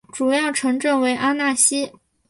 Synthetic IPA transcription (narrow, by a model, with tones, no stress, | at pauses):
ʈ͡ʂu˨˩jɑ˥˩ʊʈ͡ʂʰɤ˧˥ŋʈ͡ʂɤ˥˩ŋwe˧˥ɪʔa˥na˥˩ɕi˥